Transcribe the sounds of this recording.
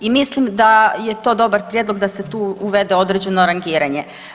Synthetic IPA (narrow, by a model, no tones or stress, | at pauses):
imislimd̪ajet̪o̞ːd̪o̞baɾpɾjed̪lˠoɡd̪aset̪uːuʋe̞d̪eo̞d̪ɾed͡ʑe̞noɾaŋɡiːɾaɲe